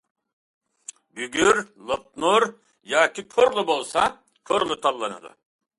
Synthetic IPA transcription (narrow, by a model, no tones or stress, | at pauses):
byɡʲyɾlˠot̚nuɾ | jaːkʰʲikʰoɾlˠubolˠsa | kʰoɾlˠut̪ʰalˠːanɯ̰d̪ˠɯ̰